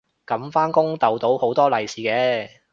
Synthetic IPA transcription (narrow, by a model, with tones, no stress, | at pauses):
kɐ˨˥mfaː˥nkʊ˥ŋt̪ɐ˨wt̪o˨˥who˨˥wt̪ɔː˥lɐ˨jsiː˨˩kɛː˨˥